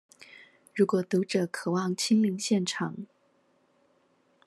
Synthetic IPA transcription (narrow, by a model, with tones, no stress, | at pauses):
ɻu˧˥kwɔ˨˩t̪u˧˥ʈ͡ʂɤ˨˩kʰɤ˨˩wɑ˥˩ŋt͡ɕʰi˥ŋli˧˥ŋɕjɛ˥˩nʈ͡ʂʰɑ˨˩˦ŋ